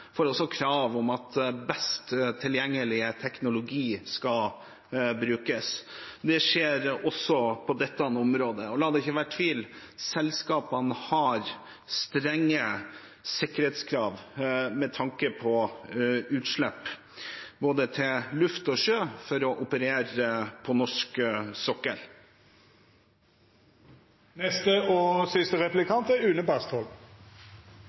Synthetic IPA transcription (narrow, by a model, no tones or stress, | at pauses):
foːɾɔsɔkʰɾɑːʋɔmɑt̪bɛst̪t̪ʰːɪljɛŋːəlɪət̪ʰɛknʊlʊɡiːskɑ | bɾʉːkəsd̪ɛʂeːɾɔsːɔpʰɔd̪ɛt̪ːnɔmɾoːd̪əɔlɑːd̪ɛɪçːəʋæːʈʰʋiːlsɛlskɑːpənhɑɾ | st̪ɾɛŋːə | sɪkːəɾeːt̪skʰɾɑːʋmɛt̪ʰɑŋkəpʰɔ | ʉːt̪ʂɭɛpː | boːd̪ət̪ʰɪlʉft̪ɔʂøːfɔɾɔʔʊpəɾeːɾəpʰɔnɔʂksɔkːəɾ | nɛst̪əɔsʏst̪əʁɛplɪkʰɑnt̪əʉːnəbæst̪ʰɔl